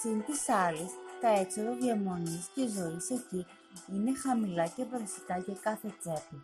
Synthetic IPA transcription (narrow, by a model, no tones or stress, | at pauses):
sint̪isɐlist̪ɐeksoɾoðiɐmo̞nisceizo̞ise̞ci | ine̞xɐmilɐcepɾɐsi̥kɐʝɐkɐθe̞t͡se̞plɐ